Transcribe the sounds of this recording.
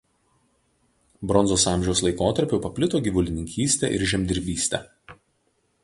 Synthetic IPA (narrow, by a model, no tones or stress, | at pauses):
bɾɔnzoːsɑˑmʲʒʲɛʊslˠɐɪkoːt̪ɐɾʲpʲʊpɐpʲlʲɪt̪oːɡʲiːʋʊlʲɪnʲɪŋʲkʲiːsʲt̪ʲɛ̰ʔɪ̰ɾʒʲɛmʲd̪ʲɪɾʲbʲiːsʲt̪ʲɛ̰